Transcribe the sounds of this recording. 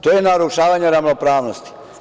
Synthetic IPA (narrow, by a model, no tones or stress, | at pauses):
t̪oːjenaɾuʃaːʋaɲeɾaʋnopɾaːʋnost̪i̥